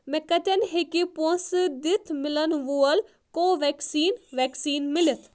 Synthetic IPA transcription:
mɛkɐt̪ɐnɦekipõsd̪ɪt̪ʰmɪlənʋuɐl | koːʋɛksiːnʋɛːksiːnmɪlɪt̪ʰ

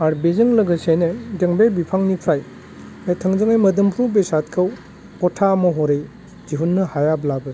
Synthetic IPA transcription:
aɾbezɯŋlɐɡɐsejnedeŋbebipʰaŋnipʰɾaj | etʰɐŋzɯŋajmɐdɐmpʰɾubesat̚kʰɐw | kɔtʰamɐɦoɾej | ziɦunːɐhajablabɐ

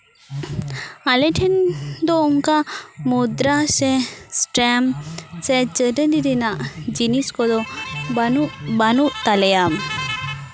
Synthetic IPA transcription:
alɛʈʰend̪ɔuŋkamud̪ɾaɕɛ̃sʈɾɛmt͡sɛt͡ɕəɖənid̪inad͡ʑiniskɔd̪ɔbnubanut̪alɛja

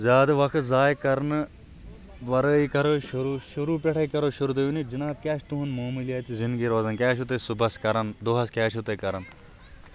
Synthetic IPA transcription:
zʲaːd̪ɐʋɐkʰt̪zaːjkɐɾn | ʋɐɾəikɐɾoʃuɾuːʃuɾuːpeʈʰɐikɐɾoːʃuɾuːt̪ɐjunid͡ʒɐnaːb̚kʲaːʃʰt̪uɦunmoːmilijɐt̪izɪnd̪ɡiːɾoːzɐnkʲaːʃʰut̪esubɐskɐɾɐnd̪oɦɐskʲaːt͡ʃʰut̪ekɐɾɐn

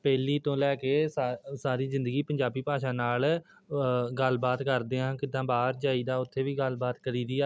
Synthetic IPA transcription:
pɛːliːt̪õːlɛːkeːsaːɾiːzɪ̃nd̪əɡiːpəɲd͡ʒaːbiːpaːʃãːnaːl | ɡəlbaːt̪kəɾd̪eːɦãːkɪd̪ːãːbaːɾd͡ʒaːiːd̪aːʊt̪ʰːeːʋiːɡəlbaːt̪kəɾiːd̪iːaː

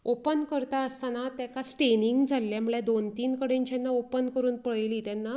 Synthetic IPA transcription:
opənkəɾt̪aəst̪anat̪jakasʈeniŋɡd͡zʱalːjamuɭjad̪ont̪iːnkəɽẽɲt͡ɕanːaopənkəɾuːnpəɭliːt̪janːa

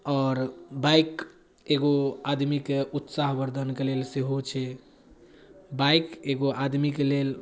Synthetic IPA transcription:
ɔːɾbajk | eɡoad̪mikeut̪saɦbəɾd̪ʱənkelelseɦot͡ʃʰɛ | baikeɡoʔad̪mikelel

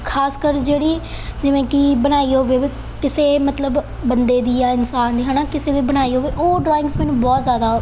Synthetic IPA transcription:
kʰaːskəɾd͡ʒeːɽiː | d͡ʒɪʋẽːkɪbəɽ̃aːiːɦoːʋeː | kɪseːmət̪ləbː | ənd̪eːd̪iːjãːɪnsaːnd̪iːɦə̃ːnaːkɪseːd̪eːbəɽ̃aːiːɦoːʋeːʔoːɖɾɔːɪ̃ŋɡsmɛːnũːbɔːt̪zjaːd̪aː

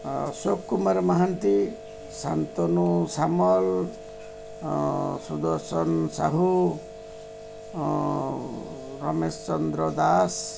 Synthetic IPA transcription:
sokːumaɾɔmaɦant̪i | sant̪ɔnusamɔl | sud̪ɔɾsɔnsaɦu | ɾɔmest͡ʃɔnd̪ɾɔd̪as

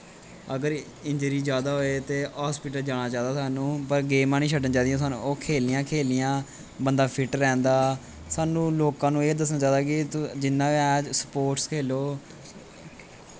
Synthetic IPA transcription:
əɡəɾ | ɪɲd͡ʒəɾiːd͡ʒjaːd̪aːɦoːeːt̪eːɦaːspɪʈ̬əld͡ʒaːɽ̃aːt͡ʃaːd̪aːsaːnũːpəɾɡeːmãːnĩːʃʰəɖənt͡ʃãːd̪ijãːsaːnṵoːkʰeːlijãːkʰeːlɪjãː | bənd̪aːpʰɪʈːɛ̃ːnd̪aː | saːnũːloːkãːnũːeːd̪əsnãːt͡ʃaːd̪aːkɪd͡ʒɪnːãːɛ̃səpoːʈskʰeːloː

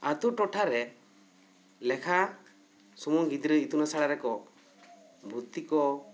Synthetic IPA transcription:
at̪uʈɔʈʰaɾɛ | lɛkʰa | sɔmuɡid̪ɾəit̪unasaɽaɾɛkɔ | bʱut̪ːikɔ

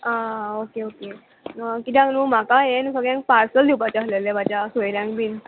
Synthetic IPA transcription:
aokeoke | kit̪ʰjãknum̤akajensəɡɭjãŋk̚paɾsəld̪ipat͡ɕaslelemad͡ʑasojljãŋkbin

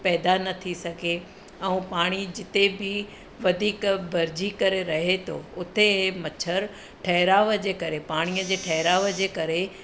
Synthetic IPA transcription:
pɛːd̪anɐt̪ʰisɐɡʱe | ɛ̃ũpaːɽ̃id͡ʑɪt̪ebʱɪ | ʋɐd̪ʱiːkbɐɾd͡ʑikɐɾeɾɐɦet̪ʰo̰ʊt̪eɦmɐt͡ɕʰəɾ | ʈʰɐɦɪɾaːʋəd͡ʑeːkɐɾepaːɽ̃ijəd͡ʑeːʈʰɐɦɪɾaːʋəd͡ʑeːkɐɾe

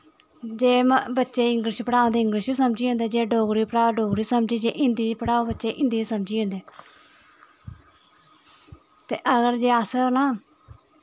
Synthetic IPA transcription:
d͡ʒeːbətːʃeːɪŋɡɾɪʃiːpəɽaːõːnd̪eːɪŋɡɾɪʃjoːsəmd͡ʒiːõːnd̪eːd͡ʒeːɖoːɡɾiːpəɽaːoɖoːɡɾiːsəmd͡ʒiːd͡ʒeːʔɪ̃nd̪iːpəɽaːoːbətːt͡ʃeːʔɪ̃nd̪iːsəmd͡ʒiːõːnd̪eː | t̪eːʔəɡəɾd͡ʒeːəsənaː

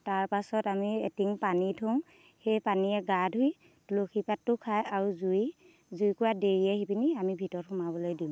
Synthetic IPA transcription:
taɹpasɔtamietiŋpanitʰoŋ | xejpaniɛɡadʱɦuj | tuloxʰipatːʊkʰajaɹuzuj | zujkʊɹadeɹiɛɦibiniamibʱitɔɹxʊmabɔlojdim

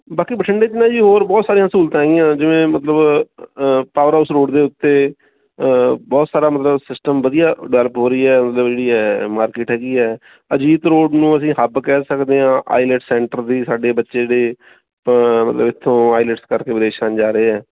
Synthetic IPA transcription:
baːkiːbəʈʰəɳɖeːt̪ɪnːãːd͡ʒiːɦoːɾbɔːt̪saːɾijãːsuːlt̪ãːɦɛːɡɪjãːd͡ʒɪʋẽːmət̪ləb | paːʋəɾaːsɾoːɖd̪eːʊt̪ːeː | bɔːt̪saːɾaːmət̪ləbsɪsʈəmbəd̪ijaːɖɛːləpɦoːɾəiːɛːmət̪ləbd͡ʒeːɽiːɛːmaːɾkɪːʈɦɛːɡiːɛː | əd͡ʒiːt̪ɾoːɖnũːəsĩːɦəbkɛːsəkd̪eːãːʔa̰ːɪlɛʈsɛːɳʈəɾd̪iːsaːɖeːbətːʃeːdeː | mə̰ləbɪt̪ʰːõːaːɪləʈskəɾkeːʋɪɾeːʃaːnd͡ʒaːɾəeːɛː

